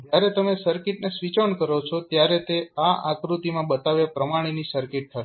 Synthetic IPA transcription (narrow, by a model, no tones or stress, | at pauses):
d͡ʒjaɾet̪əmesəɾkɪʈnesʋit͡ʃəɳkəɾot͡ʃʰɔt̪jaɾet̪eaʔa̰kɾut̪imãbət̪aʋjapɾəmaɽ̃inisəɾkɪʈ̚t̪ʰəʃ